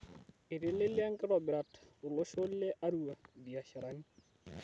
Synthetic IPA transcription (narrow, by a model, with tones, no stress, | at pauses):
ɪ˨ɾɪ˦lɪ˦lja˦ŋ˦kɪ˦ɾɔ˨bɪ˨ɾa˨tʊ˨lo˦ʃo˦lle˦ʔa˦ɾu˦a˨di˨a˨ʃa˨ɾa˦ni